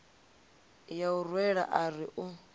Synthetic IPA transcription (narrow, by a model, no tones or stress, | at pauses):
jaurwɛɺa̰ʔariʔʊ